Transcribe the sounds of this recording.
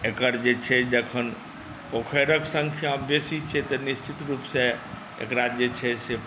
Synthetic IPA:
ekəɾd͡ʒet͡ʃʰɛd͡ʒəkʰən | pokʰəɾəksəŋkʰjabjesit͡ʃʰɛt̪ɔnist͡ʃit̪ɾupsẽ | ḛkɾad͡ʒet͡ʃʰɛse

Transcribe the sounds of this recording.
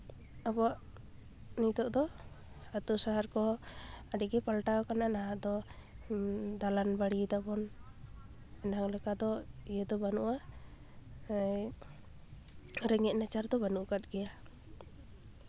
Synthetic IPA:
abɔaʔ | nit̪ɔʔd̪ɔ | at̪usaɦaɾkɔaɖɛɡɛpalʈawkananaɦaʔd̪ɔ | d̪alanbaɽit̪apɔn | ɛnaɦaŋlɛkad̪ɔijɛd̪ɔbanuʔa | ɾɛŋɛʔ̚nat͡ʃaɾd̪ɔbanuʔkat̪̚ɡɛja

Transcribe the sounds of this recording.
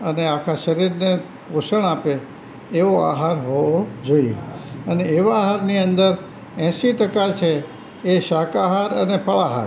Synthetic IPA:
əneakʰaʃəɾiɾne | puʃəɳapeː | ʋoa̰ɦaɾɦood͡ʒoiḛəneːʋaːɦaɾniənd̪əɾ | ɛ̃ʃiʈəkat͡ʃʰeː | ʃakaɦaɾənepʰəɭaɦa̰ɾ

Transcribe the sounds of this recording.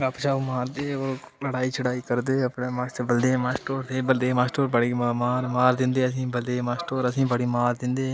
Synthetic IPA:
apt͡ʃaːomaːɾd̪eːoːɾ | ləɽaːiːt͡ʃʰəɽaːiːkəɾd̪eːəpɳeːmaːsʈ̪əbəld̪eːmaːsʈoːɾt̪ʰeːbəld̪eːmaːsʈoːɾbəɽimaːɾmaːɾd̪ɪ̃nd̪eːəs̬ĩːbəld̪eːmaːsʈoːɾəsĩːbəɽiːmaːɾd̪ɪ̃nd̪eː

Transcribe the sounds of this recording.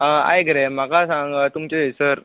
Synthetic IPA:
əa̰jɡəɾem̤akasãŋɡət̪umt͡ɕeesəɾ

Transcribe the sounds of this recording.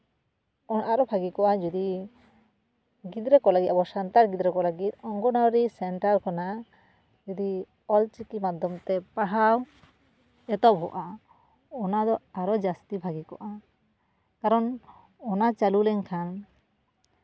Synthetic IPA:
ɔnʔaɾɔbʱaɡikɔʔad͡ʒud̪i | ɡid̪ɾɛkɔlaɡit̪abɔsant̪aɾɡid̪ɾɛkɔlaɡit̪̚ɔŋɡɔnawɾisɛɳʈaɾkʰɔna | d͡ʒud̪i | ɔlt͡ʃikimad̪ʱɔmt̪ɛpaɦaw | ɛt̪ɔp̚ɦɔ̰ʔa | ɔnad̪ɔaɾɔd͡ʒast̪ibʱaɡikɔ̰ʔa | kaɾɔn | ɔnat͡ʃalulɛŋkʰan

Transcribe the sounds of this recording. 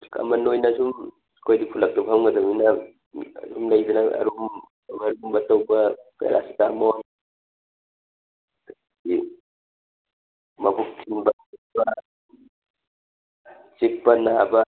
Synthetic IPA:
kɐ̰mɐnojnɐsum | kʰojdikʰulɐk̚tabhawɡɐdɐminɐ | sumlɐjbɐnaɐ̰ɾum | bɐɾumbɐtɐwbɐpʰḛɾʔa̰si̥tamon | di | mɐbuk̚kʰinbɐ | ubɐ | t͡ʃik̚pɐnabɐ

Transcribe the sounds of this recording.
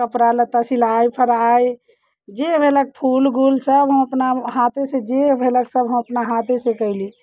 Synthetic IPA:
kəpɾalət̪əsilajpʰəɾaj | d͡ʒebʱelək̚pʰulɡulsəbɦə̃məpnaɦat̪esed͡ʒebʱeləksəbɦə̃məpnaɦat̪esekəɪli

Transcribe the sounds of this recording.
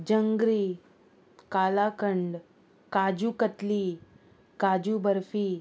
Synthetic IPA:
d͡ʑəŋɡɾiː | kalakəɳɖ | kad͡ʑuːkət̪liː | kad͡ʑuːbəɾfiː

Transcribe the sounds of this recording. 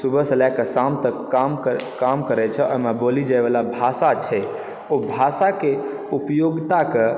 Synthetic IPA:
subəsəlakəsamt̪əkːamkamkəɾɛt͡ʃʰɛɔjmabolid͡ʒajbalabʱasat͡ʃʰɛ | obʱasake | upjoɡt̪ake

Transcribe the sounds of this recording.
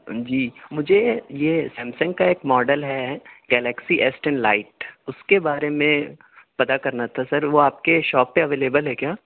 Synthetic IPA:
d͡ʒiːmʊd͡ʒʱejesɛ̃ːmsə̃ŋɡkaeːkmɔːɖəlɦɛɡɛːlɛksiʔɛsʈɛ̃nlaːɪʈ̚ʊskebaːɾemẽ | pɐt̪akɐɾnat̪ʰasɐɾʋoaːp̚keʃɔːpːeɐʋeːleːbəlɦɛkjaː

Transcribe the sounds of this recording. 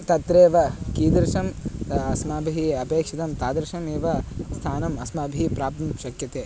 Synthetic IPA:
t̪ɐt̪ɾeːʋɐkiːd̪ɐɾʂɐmɐsmaːbʱiɦiɐpeːkʂit̪ɐmt̪aːd̪ɐɾʃɐmeːʋɐst̪ʰaːnɐmɐsmaːbʱiɦipɾaːp̚t̪ɐmʃɐkjɐt̪eː

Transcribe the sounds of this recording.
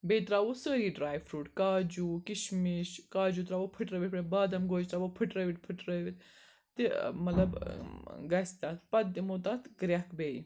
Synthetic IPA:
beːt̪ɾaːʋosəːɾiːɖɾaːjʋfʰɾuːʈkaːd͡ʒuːkiʃmiʃkaːd͡ʒut̪ɾaːʋopʰɨʈɾəʋiʈpebaːd̪ɐmɡoːd͡ʒt̪ɾaːʋopʰɨʈɾəʋiʈ̚pʰɨʈɾəʋit̪ | t̪imɐt̪lɐb | ɡɐsʲt̪at̪pɐd̪ːimot̪at̪ɡɾʲɐkbeːi

